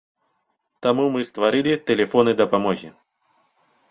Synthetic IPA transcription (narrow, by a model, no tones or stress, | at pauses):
t̪ɐmumɨst̪vɐɾʲilʲɪt̪ʲɪlʲɪfonɨd̪ɐpɐmoɣʲɪ̰